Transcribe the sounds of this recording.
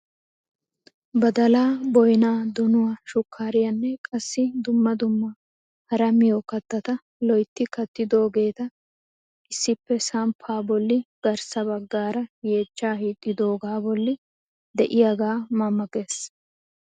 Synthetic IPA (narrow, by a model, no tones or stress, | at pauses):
bɐd̪ɐlaːbɔjnaːd̪ʊnʊwaʃʊkʰːaːɾɪjɐnːɛkʼɐsːɪd̪ʊmːɐd̪ʊmːɐ | hɐɾɐmɪjokɐt̪ːɐt̪ɐ | lɔjt̪ːɪkɐt̪ːɪd̪oːɡe̞ːt̪ɐ | ʔɪsːɪpːɛsɐmpʰaːbɔlːɪɡ̥ɐɾsɐbɐɡːaːɾɐje̞ːt̪ːaːhiːt̪ʼːɪd̪o̞ːɡaːbɔlːɪ | d̪ɛʔɪjɐɡaːmɐmːɐkʼe̞ːs